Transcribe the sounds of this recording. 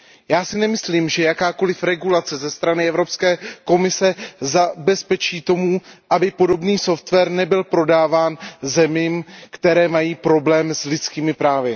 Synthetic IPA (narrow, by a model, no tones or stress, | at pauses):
jaːsɪnɛmɪsliːmʒɛjakaːko̞lɪfɾɛɡulat͡sɛzɛst̪ɾanɪɛvɾo̞pskɛːko̞mɪsɛzabɛspɛt͡ʃiːt̪o̞muʔabɪpo̞do̞bniːso̞ft̪vɛːɾnɛbɪlpɾo̞daːvaːnzɛmiːmkt̪ɛɾɛːmajiːpɾo̞blɛːmslɪt͡skiːmɪpɾaːvɪ